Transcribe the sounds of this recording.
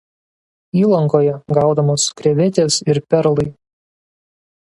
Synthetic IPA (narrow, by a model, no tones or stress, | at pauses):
iːlˠɐŋkoːjɛɡɑˑʊd̪ɐmoːskɾʲɛʋʲɪt̪ʲeːsɪɾpʲɛɾlˠɐɪ